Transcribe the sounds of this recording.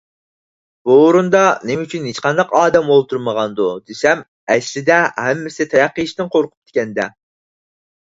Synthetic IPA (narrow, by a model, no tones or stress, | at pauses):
b̥uːɾund̪ɑnemyt͡ʃʰynɦet͡ʃqɑnd̪ɑqɑːd̪ɛmolˠt̪ʰuɾməʁɑnd̪ud̪esɛm | ɛʃlɪd̪ɛhɛmːɪsɪt̪ʰɛɾæqːəiʃt̪ɪnqʰoɾqʰʊ̥p̚t̪ʰɪ̥kʲɛnd̪ɛ